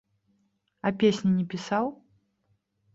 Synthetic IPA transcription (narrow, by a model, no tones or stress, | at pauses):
ɐpʲesʲnʲinʲɛpʲisaw